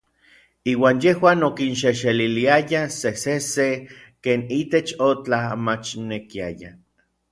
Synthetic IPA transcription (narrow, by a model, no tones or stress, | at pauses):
iːwaːnjehwaːnokinʃeʃeliliajasesese | keːnit̪et͡ʃot͡ɬamat͡ʃnekia̰ja̰